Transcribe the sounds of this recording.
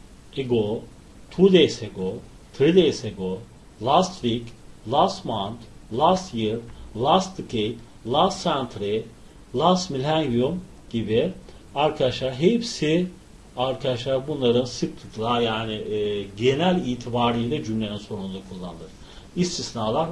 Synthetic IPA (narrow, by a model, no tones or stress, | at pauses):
eɡo | t̪ʰud̪ejseɡo | t̪ʰɾid̪ejseɡo | lˠast̪viklˠasmant̪lˠasjiɾlˠasd̪ɯkʰejt | lˠasːænt̪ʰɾi | lˠasmilʲænɡium | ɟibi | aɾkʰad̪aʃlˠaɾɦepsi | aɾkʰad̪aʃlˠaɾbunlˠaɾɯnsip̚t̪ʰiklˠajaːnɪːɟe̞nælʲiːt̪ʰibaːɾɯjlʲɛd͡ʒymlʲeninso̞ɾund̪akʰulˠːa̰nɯd̪ˠɯɾ | ist̪ʰisnaːlˠaɾ